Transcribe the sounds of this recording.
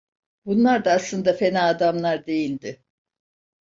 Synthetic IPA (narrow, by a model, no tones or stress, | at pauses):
bunlˠaɾd̪aːslˠɯnd̪afe̞naːd̪amlˠaɾd̪e̞jilʲd̪ɪ